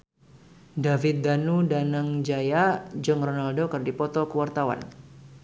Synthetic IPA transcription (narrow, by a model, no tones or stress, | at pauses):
davɪt̪̚danudanaŋd͡ʒajad͡ʒɨŋrɔnaldokɨrdipɔt̪ɔkəwart̪awa̰n